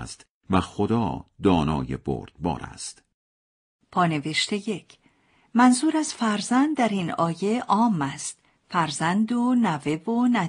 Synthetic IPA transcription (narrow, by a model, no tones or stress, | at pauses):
st̪ | væxod̪ɒːd̪ɒːnɒːjebo̰ɾd̪̥̚bɒ̰ːɾæ̰st̪ | pʰɒːne̞veʃt̪eje̞cʰ | mænzuːɾæz̥fæɾzænd̪̚dːæɾinɒːje̞ʔɒːmæst̪ | fæɾzænd̪onæve̞vonæ